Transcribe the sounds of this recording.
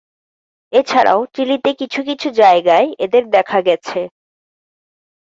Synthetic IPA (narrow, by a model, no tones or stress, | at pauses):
et͡ɕʰaɾʔa̰otilit̪ekit͡ɕʰukit͡ɕʰud͡ʑaeɡaeed̪eɾd̪ɛkʰaɡɛt͡ɕʰe